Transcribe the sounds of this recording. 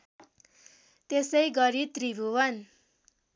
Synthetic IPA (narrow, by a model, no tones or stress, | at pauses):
t̪esʌjɡʌɾit̪ribʱuwʌn